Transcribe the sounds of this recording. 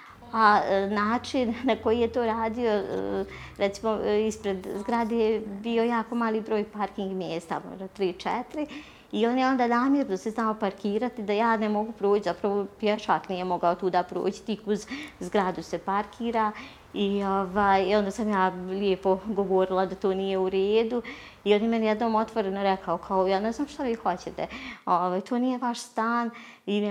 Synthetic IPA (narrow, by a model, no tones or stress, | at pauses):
anaːt͡ʃinːako̞jijet̪o̞ːɾaːd̪ijo̞̰ | ɾɛt̪simo̞ispɾe̞d̪zɡɾad̪ejebio̞jaːko̞maːlˠiːbɾo̞ːjpaɾkiŋɡmjeːst̪a̰mo̰ʒd̪at̪ɾiːt͡ʃɛt̪ɾi | io̞njeo̞nd̪aːnaːmjeɾnd̪aseznaopaɾkiːɾat̪id̪ajaːnemo̞ɡupɾoːt͡ɕt͡ʃzapɾaʋo̞pjɛʃaknijemo̞ɡaot̪uːd̪apɾo̰ːt͡ɕi̥t̪ikuzzɡɾad̪usepaɾkʰiːɾa | ioʋaːjo̞nd̪aːsamjaːlʲeːpo̞ɡo̞ʋoɾilˠad̪at̪oːnijeuɾeːd̪u | io̞njemɛnjed̪noːmo̞t̪ʋo̞ɾenoɾɛkʰaokʰaojaːneznaːmʃt̪aʋiːxo̞t͡ɕet̪ɛoʋaːjt̪ʰoːnijeʋaʃst̪aːni